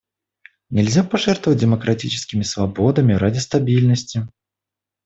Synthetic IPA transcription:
nʲɛlʲzʲapaʐɛrt̪vəvəd͡z̚ʲdʲɛmɐkɾat͡sʲit͡ʃɪ̥skʲimʲisvabɔd̪ɐmʲiɾad͡zʲist̪abʲilʲnəsʲt͡sʲi

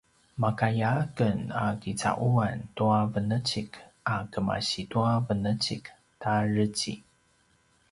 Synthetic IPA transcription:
makajakənakit͡sa̰ʔuantuavənət͡ɕikʔakəma̰ɕituavənət͡ɕik | tarət͡ɕḭ

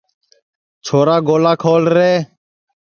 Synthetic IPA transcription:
t͡ʃʰoːɾaːɡoːlaːkʰoːlɾeː

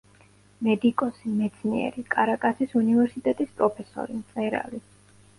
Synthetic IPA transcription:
mɛd̪ikʼɔsimɛt̪sʰnḭɛ̰ɾikʼaɾakʼasisunivɛɾsit̪ʼɛt̪ʼispʼɾɔpʰɛsɔ̰ɾimt̪sʼɛɾa̰li

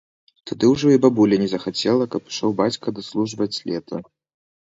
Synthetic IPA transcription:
t̪ʰad̪ɨwʐɨibabulʲɛnʲɛzɐxat͡sʲɛlˠɐkɐpʂɔwbat͡sʲkɐd̪aslˠuʐvɐt͡sʲlʲɛt̪ʰɐ

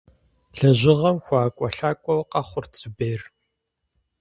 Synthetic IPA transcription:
ɬɐʑɪʁɐmxʷɑːkʷʼɔɬaːkʷʼɔwqɐχʷʊrt͡sʰʼɨbeːr

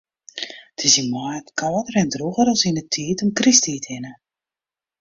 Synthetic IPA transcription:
tʰɪsimɔətkʰɔːdərɛndruɣəɾɔlˠsinətʰiːtɔmkristiːtʰɪnə

